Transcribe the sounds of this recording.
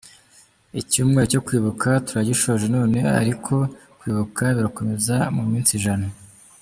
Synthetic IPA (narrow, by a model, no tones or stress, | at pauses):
icuːmŋe̞ɾco̞kwiːβukʰatuɾaɟiʃo̞ːʒe̞no̞ːne̞a̰ɾikʰo̞kwiːβukaβiɾako̞me̞zamumiːnsiʒana